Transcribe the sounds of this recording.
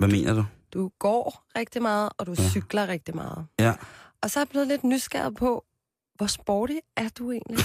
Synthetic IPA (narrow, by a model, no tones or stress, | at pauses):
ʋæme̝̰ːnɐd̥ud̥uɡ̥ɒ̰ːʁeɡ̥̚d̥imɑ̈ːð̞̩ˠɒ̽d̥usyɡ̥lɐʁeɡ̥̚d̥imɑ̈ːð̞̩ˠ | ɒ̽sɒ̽æɾeb̥le̝ːð̞̩ˠle̝d̥nysɡ̥æ̰ɐ̰ðˠpʰɒ̽ | ʋɒsb̥ɒːɾ̥iæɐd̥ue̝̰ːnli